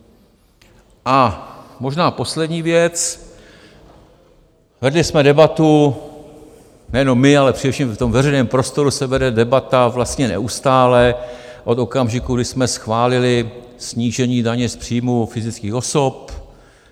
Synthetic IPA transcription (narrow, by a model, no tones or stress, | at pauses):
ʔamo̞ʒnaːpo̞slɛdɲiːvjɛt͡s | vɛdlɪsmɛdɛbat̪u | nɛjɛno̞mːɪalɛpr̝ɪdɛfʃiːmft̪o̞mvɛrɛjnɛːmpɾo̞st̪o̞ɾusɛvɛdɛdɛbat̪avlast̪ɲɛnɛ̰ʔust̪aːlɛʔo̞t̪o̞kamʒɪkuɡdɪsmɛsxvaːlɪlɪ | sɲiːʒɛɲiːdaɲɛspr̝̥iːmufɪzɪt͡skiːxo̞so̞p